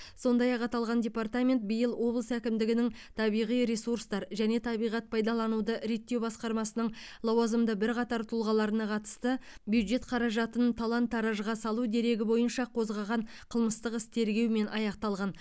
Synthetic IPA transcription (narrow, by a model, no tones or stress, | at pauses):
so̞nd̪ɑjɑqɑt̪ɑlˠʁɑndʲe̞pɑrt̪amʲe̞nt̪̚bijəlˠwʔo̞blˠəsækʲɪmd̪ɪɡʲɪnɪŋt̪ʰɑbijʁijɾe̞suɾst̪ɑɾʒæne̞t̪ʰɑbijʁɑt̪̚pʰɑjd̪ɑlˠɑnud̪əɾe̞t̪ːe̞wbɑsqɑɾmɑsənəɴlˠɑwɑzəmd̪əbɪɾqɑt̪ɑɾt̪ʰʊlˠʁɑlˠɑɾənɑqʰɑt̪ə̥st̪əbjud̪ʒe̞t̪qʰɑɾɑʒɑt̪ənt̪ʰɑlˠɑnt̪ʰːɑɾɑʒəʁɑsɑlˠud̪e̞ɾe̞ɡʲɪbo̞jənʃɑqʰo̞zʁɑʁɑɴ | qʰəlˠməst̪əqɪst̪ʰe̞ɾɡʲe̞wme̞nʔɑjɑqt̪ɑlˠʁɑn